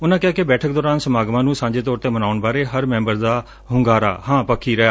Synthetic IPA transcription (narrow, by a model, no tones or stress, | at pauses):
ʊnãːkɪjaːkɪbɛːʈʰək̚d̪ɔːɾaːnsəmaːɡmãːnũːsãːɲd͡ʒeːt̪ɔːɾt̪eːmənaːʊɳbaːɾeːɦəɾmɛ̃ːmbəɾd̪aː | ɦʊŋɡaːɾa̰ːhãːpəkʰiːɾəaː